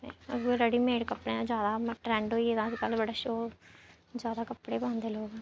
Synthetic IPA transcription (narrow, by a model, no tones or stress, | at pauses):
ḛːəɡeːɾəɽiːmeːɖkəpːɽẽːãd͡ʒjaːd̪aːʈɾɛ̃ːɳɖɦoːiːeːd̪ãːsiːkəlbəɖaːʃoː | d͡ʒjaːd̪aːkəpːɽeːbãːnd̪eːloːɡː